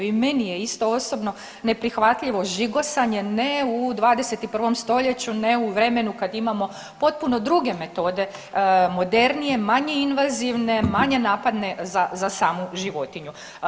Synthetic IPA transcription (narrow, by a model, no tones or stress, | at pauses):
ime̞nijeist̪ooso̞bno̞ | ne̞pɾixʋat̪ʎiʋo̞ʒiɡo̞saɲe̞neud̪ʋaːd̪eset̪ipr̩ʋo̞mst̪o̞ʎe̞t͡ɕune̞uʋɾe̞me̞nukad̪imamo̞ | po̞t̪̚puno̞d̪ɾuɡe̞me̞t̪o̞d̪e̞ | mo̞d̪e̞ɾnije̞maɲe̞inʋaziʋne̞maɲe̞naːpad̪ne̞zazasaːmuʒiʋo̞t̪iɲu